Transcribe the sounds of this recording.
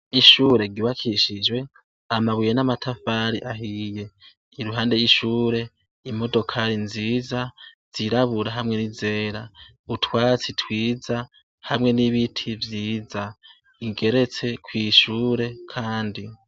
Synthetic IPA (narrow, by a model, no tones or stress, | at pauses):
iʃuːɾe̞ɡiβakʰiʃid͡ʒwe̞ | amaβujenamatʰafaɾiʔaɦije̞ | iɾuɦaːnde̞jiʃuːɾe̞ | imo̞do̞kʰaɾinziːzaz̥iɾaβuɾaɦamŋe̞nize̞ːɾa | utwaːt͡sitwiːza | hamŋe̞niβitʰivjiːza | iɡe̞ɾe̞t͡se̞kʰwiːʃuːɾe̞kʰaːndi